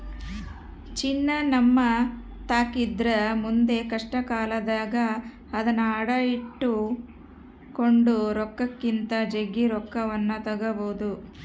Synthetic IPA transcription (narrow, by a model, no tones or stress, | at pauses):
t͡ʃinːɐnɐmːɐ | t̪aːkid̪ɾɐmund̪e̞kɐʂʈɐkaːlɐd̪aːɡɐː | d̪ɐnːɐːɽɐjiʈːu | ko̞ɳɖuɾɔkːɐkːint̪ɐd͡ʒeɡːiɾɔkːɐʋɐnːɐt̪ɐɡɐboːd̪u